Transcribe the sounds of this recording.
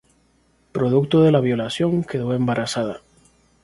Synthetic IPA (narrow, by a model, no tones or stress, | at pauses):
pɾo̞ðukt̪o̞ðe̞laβ̞jo̞lasjo̞ŋke̞ðo̞e̞mbaɾasaða